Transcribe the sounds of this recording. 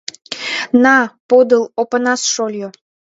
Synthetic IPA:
nɑpod̪əlˠopənɑsʃolʲjo

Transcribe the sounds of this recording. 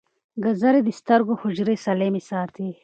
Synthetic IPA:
ɡɐzɐɾed̪ist̪ɐɾɡohʊd͡ʒɾesɐlemisaːɾt̪ʰi

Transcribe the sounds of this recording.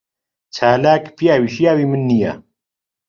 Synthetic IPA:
t͡ʃʰaːlaːkpʰijaːwiʃijaːwimɨnːija̰

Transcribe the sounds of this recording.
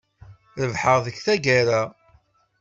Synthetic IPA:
ɾəvħəʁðəçθæɡaɾa

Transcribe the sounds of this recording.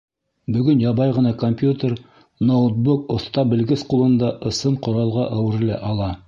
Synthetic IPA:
bɵ̆ɡɵnjɑβɑjʁɤ̆nɑkomʲpʲjut̪ʲeɾ | not̪̚bukŏθt̪ɑbɘ̆lɡɘsqulˠɤ̆nd̪ɑʔɤ̆sɤɴqŏɾɑlˠʁɑʔæwɘ̆ɾ̆læ̰ʔɑlˠɑ

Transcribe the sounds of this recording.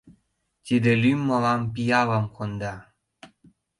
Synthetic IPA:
t̪id̪elymːolɑmpijɑβɑmkond̪ɑ

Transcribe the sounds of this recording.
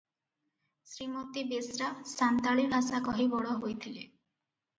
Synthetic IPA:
sɾimot̪ibesɾasant̪aɭibʱasakɔɦibɔɽɔɦojt̪ʰile

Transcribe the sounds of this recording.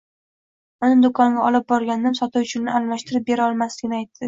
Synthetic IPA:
ʊnɪd̪okʰɒŋɡʲaɒlɪp̚bɒɾɡʲannɪmsɒt̪ɪʊt͡ʃʰɪnɪallaʃt̪ʰɪɾɪp̚be̞ɾaɒlˠmaslɪɡʲɪnɪajt̪ʰːɪ

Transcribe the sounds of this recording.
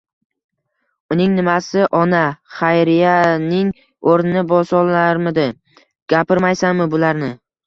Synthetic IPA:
ʊnɪŋnɪmasɪʔɒnaχajɾɪjanɪŋ | oɾnɪnɪbɒsɒlˠaɾmɪd̪ɪ | ɡ̥ʲapɪɾmajsanmɪbʊlaɾnɪ

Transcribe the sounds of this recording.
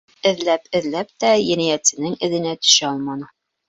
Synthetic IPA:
ɘ̆ðlæpɘ̆ðlæp̚t̪æjæ̆næjæt̪sɘ̆nɘŋɘ̆ðɘ̆næt̪ɵ̥̆ʃæɒlˠmɑnɤ

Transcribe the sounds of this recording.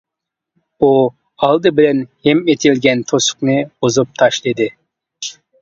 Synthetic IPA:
u | ɑlˠd̪ɨbɪlɛnhɛmet̪ʰɪlɡʲɛnt̪ʰosʊ̥qnɨbozup̚t̪ʰɑʃlˠɨd̪ɨɪ

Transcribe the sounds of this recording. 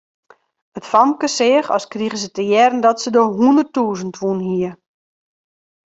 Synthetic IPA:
ətfɔmkəsɪəxɔ̰skriɣəsətəjɛrn̩dɔtsədoɦuəndərtuːzəntʋunɦiə

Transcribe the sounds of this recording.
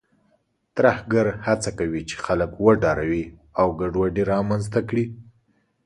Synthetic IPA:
t̪ɾahɡaɾhat͡sakawit͡ʃe̥xaləkwəɖɑɾawiawɡaɖwaɖiɾɑmanzt̪akɽi

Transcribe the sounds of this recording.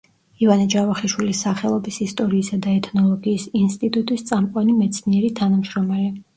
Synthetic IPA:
ivanad͡ʒavaχiʃwilisːaχɛlˠɔbisist̪ʼɔɾiːsad̪aɛt̪ʰnɔlˠɔɡiːsinst̪ʼit̪ʼut̪ʼist̪sʼamqʼwanimɛt̪sʰniɛɾit̪ʰanamʃɾɔmali

